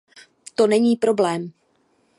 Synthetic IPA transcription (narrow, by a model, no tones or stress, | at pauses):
t̪o̞nɛɲiːpɾo̞blɛːm